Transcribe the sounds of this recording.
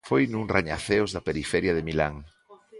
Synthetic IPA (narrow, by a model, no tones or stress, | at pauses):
fojnuŋraɲa̰θeozðapeɾifɛɾjaðemilaŋ